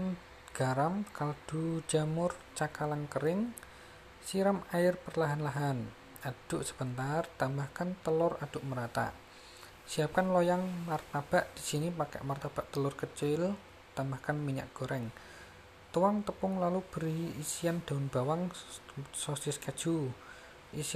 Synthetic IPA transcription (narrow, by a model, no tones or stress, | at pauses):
n | ɡ̥aɾamkald̪̥ud͡ʒamʊrt͡ʃakalaŋkəɾɪŋ | siɾamajɪrpərlaɦanlaɦan | ad̥ʊʔsə̥b̥ənt̪art̪ambahkant̪əlʊrad̥ʊʔməɾat̪a̰ʔ | siap̚kanlɔjaŋmart̪ab̥aʔd̪̥i̤sinipakɛ̰ʔmart̪ab̥aʔt̪əlʊrkət͡ʃɪl | t̪ambahkanmiɲa̰ʔɡ̥o̤ɾɛŋ | t̪uwaŋt̪əpʊŋlalub̥əɾiisijand̪̥aʊnb̥awaŋ | sɔsɪskad̥ʒ̥u | ʔis